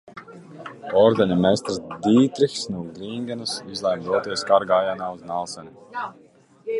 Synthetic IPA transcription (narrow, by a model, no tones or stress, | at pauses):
ɔɾd̪enʲimest̪ɾsd̪iːt̪ɾixsnuːɡɾiŋɡɛnusizlˠajmd̪ɔɔt̪iɛjskaɾɡaːjanaːuznalˠsɛnʲi